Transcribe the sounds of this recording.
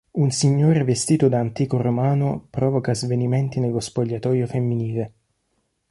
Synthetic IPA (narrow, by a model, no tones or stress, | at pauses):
unsiɲːoːɾevest̪iːt̪ʊd̪aːnt̪iːkoromaːnʊpɾɔːvokazvenimɛnt̪inelospoʎːat̪ɔːjofemːiniːle